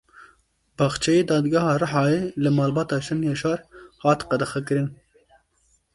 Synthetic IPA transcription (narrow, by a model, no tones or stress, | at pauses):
bɑxt͡ʃʰɛjeːd̪ɑːd̪ɡɑhɑːrɨħɑːjeːlɨmɑːlbɑːt̪ɑːʃɛnjɑːʃɑːɾhɑːt̪qɑd̪ɐxɛkɨɾɨn